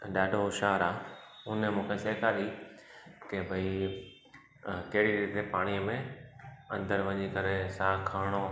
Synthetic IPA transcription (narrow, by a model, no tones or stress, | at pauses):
ɗaːɖʱoʃaːɾaːʊnəmũːkʰeseːkʰaɗi | kebʱɐi | kɐɦɪɽiɾit̪epaːɽ̃ijəmẽɐ̃nd̪əɾʋɐɲikɐɾesaːkʰaːɪɽ̃o